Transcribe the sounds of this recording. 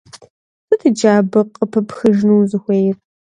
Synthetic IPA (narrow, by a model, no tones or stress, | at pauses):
sɨtʰɨd͡ʒaːbɨqʼəpʰɐpxɨʒnuːzɨxʷeːjɪr